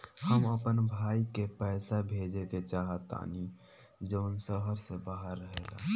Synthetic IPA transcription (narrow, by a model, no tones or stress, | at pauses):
həməpənbʱaːikepɛːsabʱeːd͡ʒeket͡ʃaːɦət̪a̰ːni | d͡ʒəːnsəɦəɾsebaːɦəɾːəɦeːla̰